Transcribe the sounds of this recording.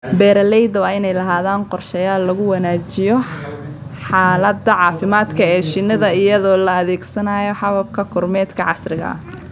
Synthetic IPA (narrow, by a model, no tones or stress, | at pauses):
bɛːɾɐlɛjd̪ɐwɑːɪnɛjlɐɦaːðaːnqɔrʃɛjaːlːɐɣʊwɐnaːt͡ʃɪjɔ | ħaːlɐd̪ɐʕɑːfɪmaːd̪kʰɐɛːʃɪnːɐðɐɪjɐðɔːlɐːðɛːɡsɐnaːjɔħɑβɐb̚kʰɐkʰʊrmɛːd̪kʰɐʕɑsrɪɣɐ̰ɐ̰